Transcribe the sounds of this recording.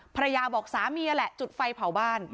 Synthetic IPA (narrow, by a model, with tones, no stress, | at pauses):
pʰa˧ɾa˧jaː˧bɔː˨˩k̚saː˩˦miː˧ʔa˧lɛ˨˩ʔt͡ɕu˨˩t̪̚fa˧jpʰa˨˩wbaː˥˩n